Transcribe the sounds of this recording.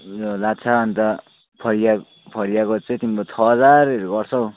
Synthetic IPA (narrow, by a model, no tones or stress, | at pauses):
jolat͡sʰaːnt̪ʌ | pʰʌɾija | pʰʌɾijakot͡sʌ̃t̪imibʌt͡sʰʌɦʌd͡zareɾoɡʌrt͡sʰʌw